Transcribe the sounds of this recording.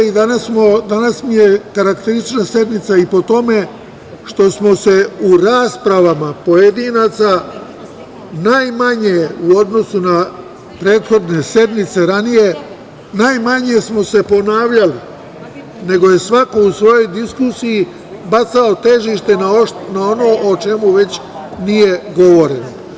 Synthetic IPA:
id̪anasmod̪anasmije̞kaɾakt̪eɾist̪it͡ʃnasje̞d̪nit̪saipo̞t̪o̞me̞ | ʃt̪o̞smo̞se̞uɾaːspɾaʋamapo̞je̞d̪inat̪sa | najmaɲeuo̞d̪no̞suna | pɾe̞ːt̪xo̞d̪ne̞sje̞d̪mit̪se̞ɾanije̞ | najmaɲe̞smo̞se̞po̞naːʋʎali | ne̞ɡo̞je̞sʋako̞usʋo̞jo̞jd̪iskusiji | bat̪sao̞t̪e̞ʒiʃt̪e̞nanao̞no̞ːʔot͡ʃe̞muʋe̞t͡ɕ | nije̞ɡo̞ʋo̞ɾeno̰

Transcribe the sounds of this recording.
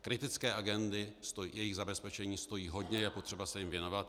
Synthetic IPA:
kɾɪt̪ɪt͡skɛːʔaɡɛnd̪ɪst̪ojɛjɪɣzabɛspɛt͡ʃɛɲiːst̪o̞jiːɦo̞dɲɛjɛpot̪r̥ɛbasɛjɪmvjɛno̞vat̪

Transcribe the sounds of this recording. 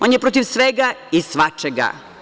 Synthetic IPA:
oːnjepɾot̪iʋsʋeɡaisʋat͡ʃeɡa̰

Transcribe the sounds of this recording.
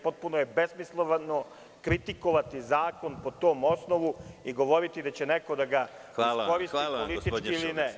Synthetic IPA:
po̞t̪̚punoje̞besmislˠoʋano̞ | kɾit̪iko̞ʋat̪izaːko̞npo̞t̪o̞ːmo̞snoʋuiɡo̞ʋo̞ɾit̪id̪at͡ɕe̞neko̞d̪aɡa | iko̞ɾisipolit̪it͡ʃkiilinɛ

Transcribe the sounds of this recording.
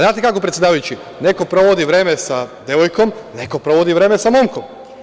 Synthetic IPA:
zaːt̪ekakopɾet̪sjed̪aːʋajut͡ɕi | ne̞ko̞pɾo̞ʋod̪iʋɾe̞ːmesad̪je̞ʋojko̞mne̞ko̞pɾoʋod̪iʋɾe̞ːmesamomko̞m

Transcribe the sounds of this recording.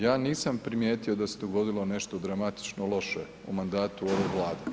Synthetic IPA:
jaːniːsampɾimje̞ːt̪iod̪ased̪oɡo̞d̪ilˠo̞ne̞ʃt̪od̪ɾamat̪i̥t͡ʃnolˠo̞ʃe | umand̪aːt̪uoʋeʋlˠaːd̪e

